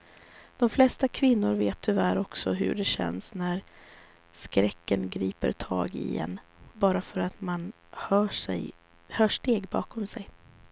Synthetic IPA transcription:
d̪̥ɔmflɛst̪akʰvɪnːʊɾveːt̪ʰːʏvæːɾɔksɔɦɵ̰ɖɛɕɛ̰nsnæɾ | skɾɛkːənɡɾiːpə̰ɾt̪ʰɑ̰ːɡɪ̰ɛ̰nːbɑːɾafœɾat̪man | hœːʂɛ̰ | hœːʂʈeːɡbɑ̰ːkʰɔmsɛj

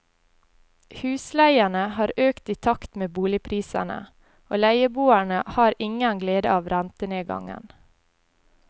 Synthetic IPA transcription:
hʉːslæɪæɳəhɑːɾʔøːkt̪iːt̪ʰɑkt̪meːbuːlɪpʰɾiːsæ̰nə̰ | oːlæɪəbuːæɳəhɑːɾɪŋənɡleːd̪ə̰ɑːʋɾænt̪əneːɡɑ̰ŋə̰n

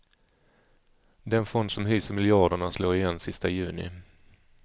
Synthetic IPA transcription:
d̪ɛnfɔnd̪sɔmɦyːsəmɪljɑːɖəɳasloːɾɪjɛnːsɪst̪ajʉ̟ːnɪ̰

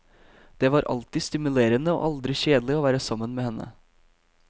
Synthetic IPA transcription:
d̪̥eːʋɑːɾʔɑ̰lt̪ɪst̪ɪmʉleːɾənəo̰ʔɑld̪ɾɪɕeːd̪əlɪoːʋæːɾəsɑmːənmeːhɛnːə̰

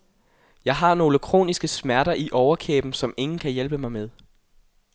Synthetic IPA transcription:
jɑ̈ɪɦɑ̈no̝ːləkʰʁo̝̰ːnisɡ̥əsmæɐɾɐʔiʔɒʊɐkʰḛːb̥n̩sɒ̽me̝ŋn̩kʰæjelb̥əmɑ̈ɪmeðˠ

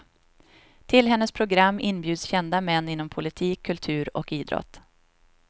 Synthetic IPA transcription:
t̪ʰɪlɦɛn̪ːəspʰɾʊɡɾamːɪnːbjʉ̟ːd̪sɕɛnd̪amɛnːɪnːɔmpʰʊlɪt̪ʰiːkʰːɵlt̪ʰʉ̟ːɾɔkiːd̪ɾɔ̰t̪

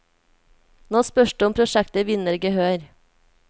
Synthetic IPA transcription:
noːspœʃɖ̥ʉɔmpʰɾʊʃɛkt̪əʋɪnəɾɡəhøːɾ

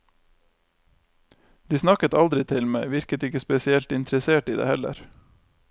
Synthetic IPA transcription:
d̪̥iːsnɑkət̪ɑld̪ɾɪt̪ʰɪlmeɪʋɪɾkət̪ɪkəspɛsɪɛlt̪ɪnt̪ɾəseːʈiːd̪ḛːhɛlə̰ɾ

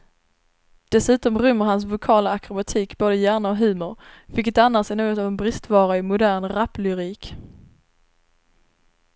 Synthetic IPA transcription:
d̪̥ɛsʉ̟ːt̪ɔmɾʏmːəɾhans̬vʊkʰɑːlaːkɾʊbat̪ʰiːkboːd̪əjæːɳaɔɦʉ̟ːmʊɾvɪkːət̪anːasɛɪnoːɡɔt̪aːvɛnbɾɪst̪vɑːɾaɪmʊd̪æɾɳɾaplʏɾiːk

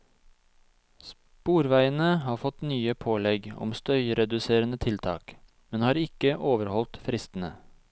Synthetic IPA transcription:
s | puːɾʋæɪənəhɑːfɔt̪nyːəpʰoːlɛɡɔ̰mst̪œʏɾɛd̪ʉseːɾənət̪ʰɪlt̪ʰɑ̰ːk | mɛnhɑːɾɪkəʔoːʋəɾhɔlt̪fɾɪst̪n̩ə

